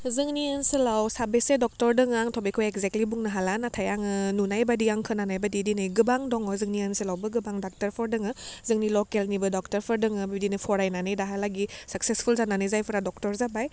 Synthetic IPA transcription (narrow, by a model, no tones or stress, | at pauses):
zɯŋniensɯlawsabesedɔk̚tɔɾdɯŋaŋtʰɔbikʰɔjekzektlibuŋnaɦalanatʰajaŋɯnunajbadiaŋkʰɯnanajbadidinɯjɡɯbaŋdɔŋɔzɯŋniɯnsɯlawbɯɡɯbaŋdak̚tɐɾpʰɔɾdɯŋɯzɯŋnilɔkelnibɯdɔk̚tɐɾpʰɔɾdɯŋɯbidinɯpʰɔɾajnanɯjdaɦalaɡisak̚sespʰulzananɯjzajpʰɯɾadɔk̚tɔɾzabaj